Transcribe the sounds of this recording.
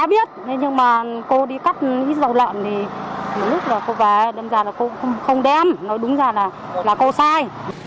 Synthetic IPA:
aː˨˦ɓi˦˥ət̪̚ʰe˨˦ɲɨ˧ŋmaː˨˩ko˧ɗi˧ka˦˥k̚nḭ˧˥zə˨˩wlə̰ː˧˨nt̪ʰi˨˩mo˨˩t̚lʊ˦˥k̚laː˨˩ko˧vaː˨˦ɗe˧mzaː˨˩laː˨˩ko˧˥˧wŋ͡mxə˧wŋ͡mɗɛ˧mnɔ˨˦jɗʊ˨˦ŋ͡mzaː˨˩laː˨˩ | laː˨˩ko˧saː˧j

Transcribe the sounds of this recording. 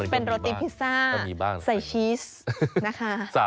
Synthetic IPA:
pe˧nɾo˧t̪iː˦˥pʰi˦˥saː˥˩˧i˧baː˥˩ŋsa˨˩jt͡ɕʰiː˦˥s | na˦˥kʰa˦˥sa˨˦

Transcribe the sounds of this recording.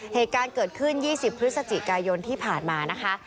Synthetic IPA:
heː˨˩t̪̚kaː˧nkɤː˨˩t̪̚kʰɯ˥˩njiː˥˩si˨˩pʰːɾɯ˦˥t̪̚sa˧t͡ɕi˨˩kaː˧jo˧nt̪ʰiː˥˩pʰaː˨˩nmaː˧na˦˥kʰa˦˥ʔ

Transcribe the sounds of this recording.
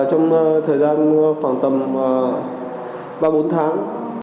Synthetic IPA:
t͡ɕɔ˧wŋ͡mt̪ʰəː˨˩jzaː˧nfwaː˧˩nt̪ə˨˩mː˨˩ | ɓaː˧˩ɓo˨˦nt̪ʰaː˨˦ŋ

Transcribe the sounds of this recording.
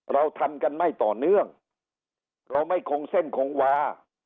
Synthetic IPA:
ɾa˧wt̪ʰa˧mka˧nma˥˩jt̪ɔː˨˩nɯ˥˩əŋ | ɾa˧wma˥˩jkʰo˧ŋse˥˩nkʰo˧˥ŋwaː˧˥

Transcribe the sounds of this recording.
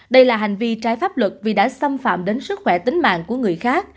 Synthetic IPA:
ɗə˧jlaː˨˩ɦa˨˩ŋ̟vi˧t͡ɕaː˨˦jfaː˦˥p̚lwə˨˩t̚vi˨˩ɗa̰ː˧˥sa˧mfa̰ː˧˨mɗe˨˦nsɨ˦˥t̚xwɛ˧˩t̪ï˨˦ŋ̟ma̰ː˧˨ŋku˧˩əŋɨ˨˩əjxaː˦˥k̚

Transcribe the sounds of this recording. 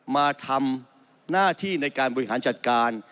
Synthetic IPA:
maː˧t̪ʰa˧m | naː˥˩t̪ʰiː˥˩na˧jkaː˧nbɔ˨˩i˦˩ɦaː˩˦nt͡ɕa˨˩t̪̚kaː˧n

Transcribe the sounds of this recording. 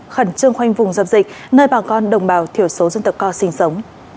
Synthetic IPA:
xə˧˩nt͡ɕɨ˧əŋxwa˧jŋ̟vʊ˨˩ŋ͡mzə˨˩p̚zḭ̈˨˩k̟̚ | nəː˧jɓaː˨˩kɔ˧nɗə˨˩wŋ͡mɓaː˧˩wt̪ʰi˧˩əwso˨˦zə˧nt̪ə˨˩p̚kɔ˧sï˨˦ŋ̟sə˨˦wŋ͡m

